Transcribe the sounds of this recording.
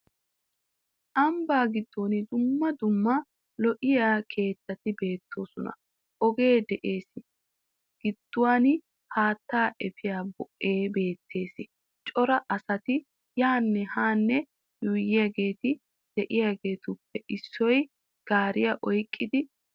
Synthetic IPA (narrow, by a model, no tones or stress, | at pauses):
ʔɐmbaːɡɪd̪̥ːo̞ːnɪd̪ʊmːɐd̪ʊmːɐ | lɔʔɪjaːkʰe̞ːt̪ːɐt̪ɪbe̞ːt̪ʰːoːsɔnɐ̰ | ʔɔɡe̞ːd̪ɛʔe̞ːsɪ | ɡ̥ɪd̪̥ːʊwaːn | haːt̪ːaːʔɛfʰɪjaːbɔʔːe̞ːbe̞ːt̪ʰːe̞ːsɪ | t͡ʃʼɔɾɐʔɐsɐt̪ɪ | jaːnːɛhaːnːɛ | jʊjɪjaɡe̞ːt̪ɪ | d̪̥ɛʔɪjaɡe̞ːt̪ʊpːɛʔɪsːɔj | ɡ̥aːɾɪjaʔɔjkʼːɪd̪ɪ